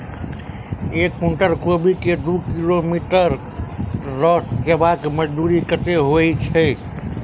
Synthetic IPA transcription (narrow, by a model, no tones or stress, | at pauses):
ekːũɳʈəɾkobʱiked̪ukilomiʈəɾ | ɾɔkebakeməd͡ʒd̪uɾikət̪eɦoit͡ʃʰɛ